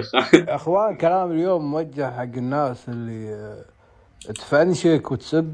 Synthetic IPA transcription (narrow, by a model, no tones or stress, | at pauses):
ʔɪxwaːnkalaːmɪljoːmːwad͡ʒːɪʕħaɡːɪnːaːsɪlːi | t̪fʕanʃɪkwɪt̪sɪbː